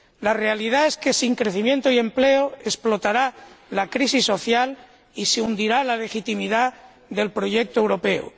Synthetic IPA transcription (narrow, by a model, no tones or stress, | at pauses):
lare̞alið̞ae̞ske̞siŋkɾe̞θimjent̪oie̞mple̞oesplo̞t̪aɾalakɾisisːo̞θjal | iseund̪iɾalale̞xit̪imiða | ðe̞lpɾo̞ʝek̚t̪oe̞wɾo̞peo̰